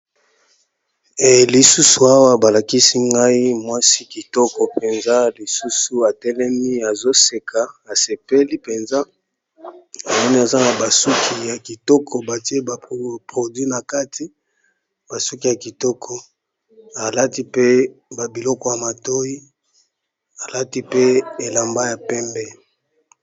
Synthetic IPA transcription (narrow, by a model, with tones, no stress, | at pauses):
e˨li˨su˦su˨a˦wa˦ba˨la˨ki˦si˦ŋɡa˦i˦mwa˦si˦ki˨tɔ˦kɔ˨pe˨nza˦li˨su˦su˨a˨tɛ˦lɛ˦mi˦a˨zo˦se˨kʰa˨a˨se˨pe˦li˦pe˨nza˦ | a˨mɔ˦ni˦a˨za˦na˨ba˨su˦kʰi˨ja˨ki˨tɔ˦kʰɔ˨ba˨ti˦e˦ba˨pʁo˨dwi˦na˨ka˦tʰi˦ | b̥a˨su˦ki˨ja˨ki˨tɔ˦kʰɔ˨ | a˨la˦ti˦pe˦ba˨bi˨lɔ˦kɔ˨ja˨ma˨to˦ji˦ | a˨la˦ti˦pe˦e˨la˨mba˦ja˨pɛ˦mbɛ˦